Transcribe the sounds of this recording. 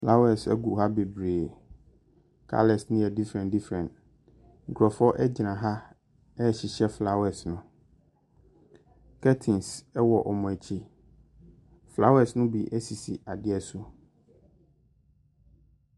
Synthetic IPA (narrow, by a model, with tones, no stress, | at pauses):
fla˦wɛ˨sɛ˦ɡu˨ɦa˦be˨bɾeː˨ | kʰa̰˦lɛ˨snɪ̃˦ɛ˨di˦fɾɛ̃˨ndi˦fɾɛ̃˨nt | ŋ̩˨kʰɾɔ˨fɔ˦ʔɛ˦d͡ʑɪ˨nã˨ɦa˦ | ɛ˦˨ɕɪ˨ɕɛ˦fla˦wɛ˨snʊ̃˦ | kʰɛ˦tʰĩ˨nsɛ˦wɔ˨ʔɔ˨mɔ̃˨ɛ˨t͡ɕʰi˦ | fla˦wɛ˨snʊ̃˦bi˨ʔɛ˦si˨si˨a˨dɪ˦ɛ˨sʊ˦